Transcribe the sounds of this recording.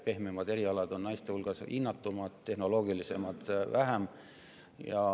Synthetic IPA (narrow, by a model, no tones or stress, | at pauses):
pe̞hmemɑd̪e̞ɾiɑlɑd̪̥o̞nnɑjst̪ehulɡ̥ɑsinːɑt̪ːumɑd̪̥t̪ːe̞hno̞lo̞ːɡilise̞mɑd̪̥væɦæm | jɑ